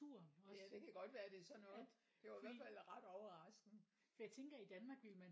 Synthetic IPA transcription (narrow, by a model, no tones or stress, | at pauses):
uɐ̰ɒ̽jæd̥e̝kʰæɡ̥ɒ̽d̥ʋæːɐd̥e̝sɒ̽nːɔː | d̥e̝ʋɑ̈ɪiʋæɐdfæl̰ʁɑ̈d̥ɒʊɐʁɑ̈sɡ̥n̩ | fɒjɑ̈ɪt͡sʰeŋɡ̥ɐid̥ænmɑ̈ɡ̥ʋilmæn